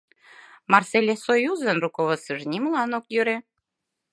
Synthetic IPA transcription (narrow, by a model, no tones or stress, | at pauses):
mɑrselʲesojuzənrukovəsəʒnʲimlɑnokjøɾe